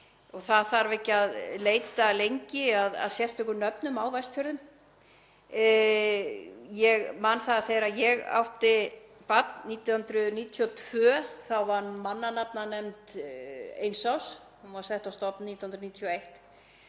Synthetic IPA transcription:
ɔɣθaðθaɾvehcːɪaðleːjt̪alejɲcɪaða̰ðsjɛst̪œkʏɾnœpnʏmaːwvajst̪fœɾðʏm | jɛɣmanθaθejɾajɛɣa̰wht̪ɪ | pat̪niːt̪jhʏnt̪ɾʏniːt̪ʰiɔt̪ʰv̥œːθawvaɾmanːanap̚nanɛmt̪ | ḛjnsaws | hunvaɾsɛht̪awst̪ɔpnniːt̪jahʏnt̪ɾniːt̪ʰijɔejht̪

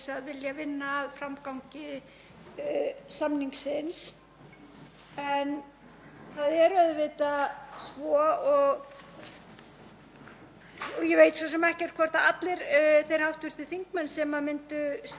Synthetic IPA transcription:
saðvɪljavɪnːaːðfɾamkawɲcɪ | samniŋksɪns | ɛn | θaðɛɾʏaðʏvɪːt̪asvɔːɔɣ | ɔɣjɛveːjt̪sɔsɛmɛhcɛrt̪̚kʰvɔɾ̥t̪aat̪lɪɾθejɾ̥hawft̪vɪɾ̥t̪ʏθiŋkmɛnsɛmamɪnt̪ʏs

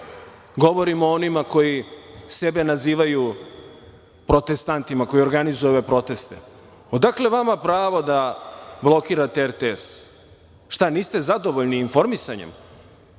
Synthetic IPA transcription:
ɡo̞ʋo̞ɾimoonimako̞jise̞be̞naziːʋaju | pɾo̞t̪e̞st̪ant̪imako̞io̞ɾɡanizooʋepɾo̞t̪e̞st̪ḛ | od̪akle̞ʋamapɾaːʋo̞d̪ablˠo̞kiɾat̪eeɾt̪ees | ʃt̪aniːst̪e̞zad̪o̞ʋoʎniːnfo̞ɾmisaɲḛm

